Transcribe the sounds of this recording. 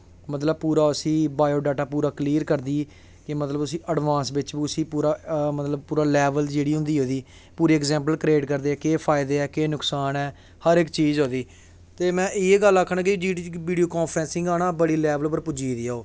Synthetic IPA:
mət̪ləb̚puːɾaːəsĩːbaːjoːɖaːʈaːpuːɾaːkliːɾkəɾd̪iː | kɪmət̪ləbʊsĩːʔəɖʋãːnsʋɪt͡ʃbiʊsĩːpuːɾaːmət̪ləb̚puːɾaːlɛːʋəld͡ʒeːɽiːɦʊ̃nd̪iːɦoːd̪iː | puːɾiːɛkzɛ̃ːmpəlkɾeːʈkəɾd̪eːɛːkeːpʰaːɪd̪eːɛːkeːnʊksaːnɛː | həɾɪkt͡ʃiːzɦoːd̪iː | t̪eːmɛ̃ːʔɪeɡəlːəkʰːɳãːkɪd͡ʒiːʋiːɖioːkɔːpʰɾɛ̃ːnsɪ̃ŋɡaːnaːbəɽiːlɛːʋəlpəɾpʊd͡ʒiːd̪iːaːoː

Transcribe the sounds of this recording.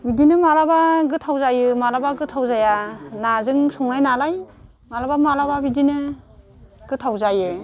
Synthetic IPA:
bidinɯmalabaɡɯtʰawzajɯmalabaɡɯtʰawzajanazɯŋsɔŋnajnalaj | malabamalababidinɯ | ɡ̥ɯtʰawzajɯ

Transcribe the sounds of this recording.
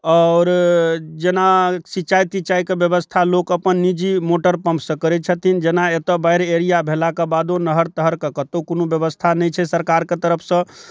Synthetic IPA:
ɔɾd͡ʒenasit͡ʃajt̪it͡ʃaikebjəbəst̪ʰalokəpənːid͡ʒimoʈəɾpə̃mpʰsə̃kəɾɛt͡ʃʰət̪ʰind͡ʒenaet̪əbaɪɾeɾijabʱelakebad̪onəɦəɾt̪əɦəɾkəkət̪okonobjəbəst̪ʰanɛjt͡ʃʰɛsəɾkaɾket̪əɾəpʰsə̃

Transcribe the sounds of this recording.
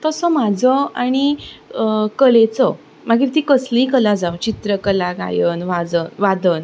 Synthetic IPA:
t̪əsɔm̤ad͡zʱɔaɽ̃i | kəlet͡sɔ | maɡiːɾt̪iːkəslĩkəlad͡zawt͡ɕit̪ɾəkəlaɡa̰jəːnʋad͡zəʋad̪əːn

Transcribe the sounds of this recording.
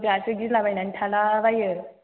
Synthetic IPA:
ɡasɯɡilabajnantʰalaːbajɯ

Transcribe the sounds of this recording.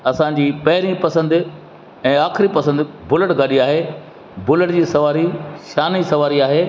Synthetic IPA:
ɐsãɲd͡ʑiːpɐɦɪɾipɐsə̃nd̪ | ɛ̃ːaːxɪɾipɐsə̃nd̪bʊləʈɡʱaɗiaːɦeː | bʊləʈd͡ʑiːsɐʋaːɾiʃaːnisɐʋaːɾiaːɦeː

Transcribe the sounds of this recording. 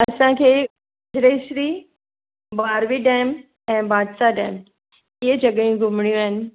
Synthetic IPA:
ɐsãkʰeː | ʊd͡ʑɾeːʃɾiː | baːɾʋiɖɛːm | ɛ̃ːbaːd̪saɖɛːm | iːəd͡ʑɐɠəjũɡʱʊmɽ̃ijũaːɦɪnɪ̆

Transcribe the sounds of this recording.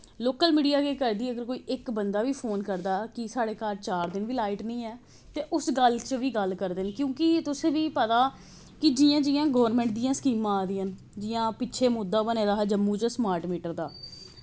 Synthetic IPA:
loːkəlmiːɖijaːkeːkəɾd̪iːəɡəɾkoːiːʔɪkbənd̪aːʋiːpʰoːnkəɾd̪aːkɪsaːɽeːkaːɾt͡ʃaːɾd̪ɪnʋiːlaːɪʈnəĩːɛː | t̪eːʔʊsɡəlt͡ʃʋiːɡəlkəɾd̪ɪnkjõːkɪt̪ʊsẽːʋiːpət̪aː | kɪd͡ʒijãːd͡ʒiːãːɡoːʋəɾmɛ̃ːɳʈ̚d̪ijãːskiːmãːd̪iːən | d͡ʒɪːãːpɪtːʃʰeːmʊd̪ːãːbəneːɾaːɦɛːd͡ʒəmːuːt͡ʃəsmaːɾʈmiːʈəɾd̪aː

